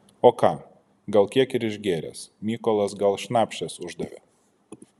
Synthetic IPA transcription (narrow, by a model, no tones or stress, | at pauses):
oːkɑː | ɡɐlˠkʲiɛkɪɾɪʒʲɡʲeːɾʲɛ̰smʲiːkɔːlˠɐsɡɐlˠʃʲnɑːpʲʃʲt͡ʃʲɛsʊʒd̪ɐʋʲḛː